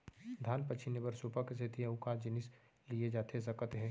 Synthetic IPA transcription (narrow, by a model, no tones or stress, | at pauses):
d̪ʱaːnpɐt͡ʃʰɪnebɐɾsupakes̬et̪ʰiɐʊ̃kad͡ʒɪnɪs | lied͡ʒaːt̪ʰesɐkət̪ɦɛ̃ː